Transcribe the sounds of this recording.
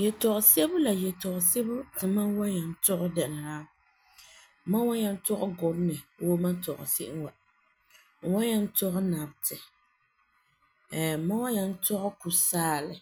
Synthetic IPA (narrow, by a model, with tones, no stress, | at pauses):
jɛ˨tɔ˨ʔʊ˨se˦bʊ˦la˨jɛ˨tɔ˨ʔʊ˨se˦bʊ˦tɨ˨ma˦nwa˦ɲa˨n̩˦tʊ˦ɣʊ˦dɛ˨nɨ˨ɾaː˦˨ | ma˦nwa˦ja˦n˦tʊ˦ɣʊ˦ɡʊ˨ɾnɨ˨wo˦ma˦tɔ˨ʔʊ̰˨si˦ʔɪ˦wa˨ | wa˦ja˦n̩˦tʊ˦ɣʊ˦na˨btɪ˨ | ma˦wa˦ja˦n̩˦tʊ˦ɣʊ˦ku˨saː˦lɪ˨